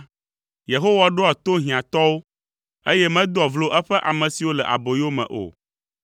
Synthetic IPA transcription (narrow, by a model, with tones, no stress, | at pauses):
je˨ɦo˦wa˨ɖo˦a˨t̪o˦ɦĩ˨ã˨t̪ɔ˦wo˦ | e˦jɛ˦mɛ̃˦d̪o˦ɔ˨vlo˨ʔɛ˦ɸɛ˦ʔa˨mɛ̃˨si˨wo˦lɛ˨ʔa̰˨bo˨jo˦mɛ̰̃˨ʔo̰˨